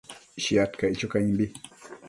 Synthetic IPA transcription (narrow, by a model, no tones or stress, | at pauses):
ʃijatkait͡ʃokaɲimbi